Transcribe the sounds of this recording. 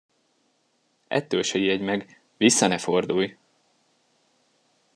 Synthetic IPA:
ɛ̰t̪ːølʃɛiɛɟmɛɡ | visːɒnɛfo̞rd̪uj

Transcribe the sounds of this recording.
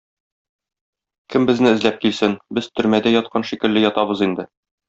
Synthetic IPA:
kɘmbɘ̆znɘɘ̆zlæp̚kilsɘnbɘz̥t̪ɵ̆ɾmæd̪æjɒt̪̚qɑnʃikɘ̆lːɘjɒt̪ɑbɤzind̪ɘ

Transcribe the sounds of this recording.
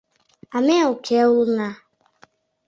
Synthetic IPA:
ameʊkʰeʊlʊna

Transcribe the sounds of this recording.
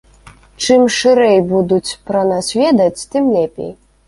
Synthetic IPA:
t͡ʂɨmʂɨɾɛjbud̪ut͡sʲpɾɐnasʲvʲɛd̪ɐt͡sʲt̪ɨmlʲɛpʲḛj

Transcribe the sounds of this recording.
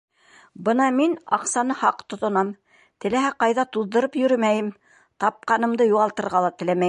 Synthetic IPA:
bɤnɑminɑ̰qsɑnɤhɑqt̪ŏt̪ŏnɑm | t̪ɘ̆læɦæqɑjðɑt̪uðːɤ̆ɾɤpjɵ̆ɾɘmæjɘm | t̪ɑp̚qɑnɤ̆md̪ɤjuʁɑlˠt̪ɤ̆ɾʁɑlˠɑt̪ɘ̆læmæj

